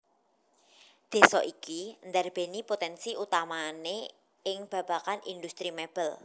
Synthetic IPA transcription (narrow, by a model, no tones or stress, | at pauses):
d̪̥e̤sɔʔikind̪arb̥e̤nipot̪ɛnsiʔut̪amane | ɪŋb̥ä̤b̥a̤kanʔḭnd̪ust̪ɾimeb̥əl